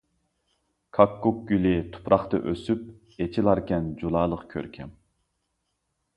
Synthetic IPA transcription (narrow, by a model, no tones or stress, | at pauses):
kʰɑkːuk̚ɡʲylɪt̪ʰu̥pɾɑχt̪ɑ̰ʔøsyp̚ | et͡ʃʰilˠɑɾkʲɛnd͡ʒulˠɑːlˠəqkʲʰø̰ɾkʲʰɛm